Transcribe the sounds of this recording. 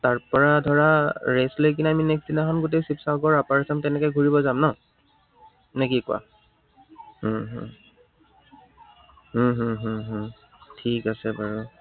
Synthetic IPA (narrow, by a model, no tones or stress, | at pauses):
taɹpɔɹadʱɔɹaɹeslojk̬inɛaminɛksdinaxɔnɡot̬ejsipsaɡɔɹapaɹisamtɛnɛkɛɡʱuɹibɔzamna | nekikʊa̰ | ɦɦ | ɦɦɦuɦũ | tʰikasɛbaɹu